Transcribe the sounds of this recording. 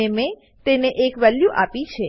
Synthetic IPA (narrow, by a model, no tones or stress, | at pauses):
eme | t̪eneʔekʋɛljuʔapit͡ʃʰe